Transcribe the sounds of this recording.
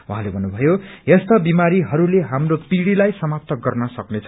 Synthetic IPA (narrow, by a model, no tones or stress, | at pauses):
uɦãlebʱʌnːubʱʌjoest̪ʌbimaɾiɦʌɾuleɦamropiɽilajsʌmap̚t̪ʌɡʌrnʌsʌknet͡sʰʌ